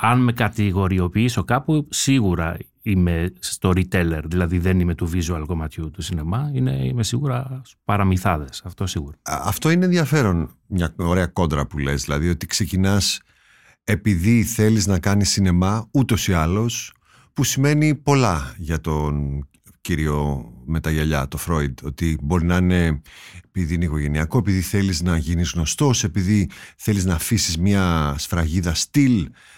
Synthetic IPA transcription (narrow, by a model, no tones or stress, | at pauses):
ɐnme̞kɐt̪iɣo̞ɾio̞piiso̞kɐpusiɣuɾɐ | ime̞st̪o̞ɾit̪e̞le̞ɾðilɐðiðe̞nime̞t̪uvizuɐlko̞mɐt̪çut̪usine̞mɐine̞̰imesiɣuɾɐspɐɾɐmiθɐðe̞sɐft̪o̞siɣuɾɐɐft̪o̞ineenðjɐfe̞ɾo̞n | mɲɐoɾeɐko̞nd̪ɾɐpule̞zðilɐðio̞t̪ikse̞cinɐs | e̞piðiθe̞liznɐkɐnisine̞mɐut̪o̞siɐlo̞s | pusime̞nipo̞lɐʝɐt̪o̞n | ciɾio̞me̞t̪ɐʝɐʎɐt̪o̞fɾo̞id̪o̞t̪ibo̞ɾinɐine̞piðiineiko̞ʝe̞niɐko̞e̞piðiθe̞liznɐʝinizɣno̞st̪o̞se̞piðiθe̞liznɐːfisizmɲɐsfɾɐʝiðɐst̪il